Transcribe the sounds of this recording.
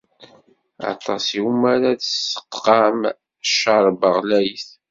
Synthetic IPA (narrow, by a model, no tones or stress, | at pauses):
ɑ̰t̪ˤɑsiumæɾaðəsə̥qːɑm | ʃːɑɾˤbəʁlæjθ